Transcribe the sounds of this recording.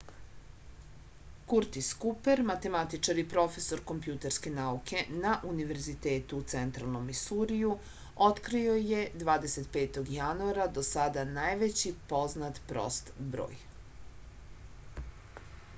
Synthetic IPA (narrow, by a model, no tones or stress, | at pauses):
kuɾt̪iskupe̞ɾmat̪e̞mat̪it͡ʃaɾipɾo̞fe̞so̞ɾko̞mpjut̪eɾske̞naukʰe̞naʔuniʋe̞ɾzit̪e̞ːt̪uːt̪sent̪ɾalˠno̞misuɾiju | ot̪kɾio̞je̞d̪ʋaːd̪e̞se̞t̪peːt̪o̞ɡjanuaɾad̪o̞sad̪anajʋe̞t͡ɕipo̞znat̪pɾo̞̰st̪bɾo̰ːj